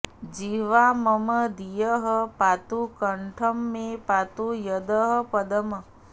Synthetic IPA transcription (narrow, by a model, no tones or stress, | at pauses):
d͡ʒiʋaməməd̪ijəɦəpat̪ukəɳʈʰəmːẽpat̪ujɐd̪əɦəpɐd̪əmə